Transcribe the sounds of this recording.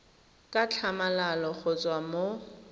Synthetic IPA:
kʼat͡ɬʰamalalɔχʊt͡sʼwamo

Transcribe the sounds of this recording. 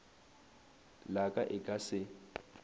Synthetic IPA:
lakʼaʔɪkʼasɪ

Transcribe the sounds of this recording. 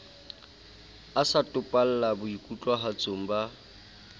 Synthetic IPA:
asatʼʊpʼal̩labʊikʼut͡ɬʼwaɦat͡sʼom̩ba

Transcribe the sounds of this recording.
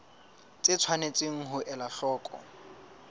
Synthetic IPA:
t͡sʼɪt͡sʰwanet͡sʼɪŋ̩ɦʊʔɛlaɬɔːkʼɔ̰

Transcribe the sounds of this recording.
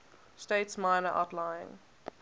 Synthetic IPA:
steɪtsmãɪ̃nəʔa̰ʊtlãɪɪ̰̃ŋ

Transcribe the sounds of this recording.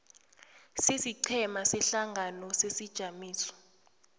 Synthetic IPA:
sisiǀʰɛmasɛɬaŋʱanɔsesid̥ʒ̥ʱamiːsɔ̥

